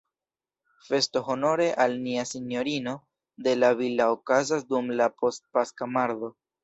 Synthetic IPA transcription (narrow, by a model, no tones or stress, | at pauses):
fe̞sto̞ɦo̞no̞ɾe̞ʔalniasinjo̞ɾino̞ | d̪e̞lavilaokazasdumlapo̞st̚paskamaɾðo̞